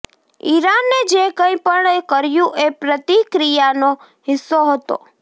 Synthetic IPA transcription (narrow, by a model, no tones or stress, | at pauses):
iɾanːed͡ʒekə̃ĩpəɳekəɾjũʔepɾət̪ikɾijano | ɦɪsːoɦət̪o̰